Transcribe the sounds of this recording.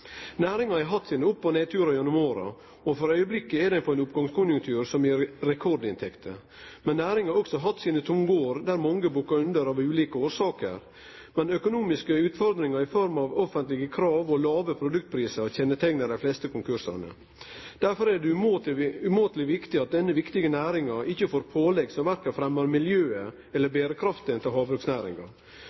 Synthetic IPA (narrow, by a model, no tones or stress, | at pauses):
næːɾɪŋɑɑɾɦɑt̪ːsiːnəʊpːɔneːt̪ʰʉːɾɑjɔnʉmoːɾɑ̰ | ɔfɔɾœʏəblɪkːəɛd̪ɛnpʰɔɛnʊpɡɑŋskʰʊnjʉŋkt̪ʰʉːɾsɔmjɪɾɾɛkʰɔɾɖɪnt̪ʰɛkt̪ʰə̰ | mɛnːæːɾɪŋɑɾɔksɔɦɑt̪ːsiːnət̪ʰʊmɡoːɾd̪æɾmɔŋɡəbuːkɑʉnd̪əɾɑːʋʉːliːkəoːɾʂɑːkə̰ɾ | mɛnœkʊnuːmɪskəʉːt̪fɔɾd̪ɾɪŋɑɾɪfɔɾmɑʋɔfənt̪lɪɡəkʰɾɑːʋɔlɑːʋəpʰɾʊd̪ʉk̚t̪̚pʰɾiːsəɾɔçɛnːət̪ʰɛŋnəd̪æflɛst̪əkʊŋkʰʉɾʂɑ̰nə̰ | d̪̥æɾfɔɾæɖɛ | ʉmoːt̪lɪʋɪkt̪ɪɑt̪̚d̪ɛnːəʋɪkt̪ɪɡənæːɾɪŋɑʔɪçːəfoːɾpʰoːlɛɡsɔʋæɾkɑfɾɛmːəɾmɪljøːə | ɛlːəɾbeːɾəkʰɾɑft̪əɛnt̪əlɦɑːbɾʉksnæːɾɪ̰ŋɑ̰ɾ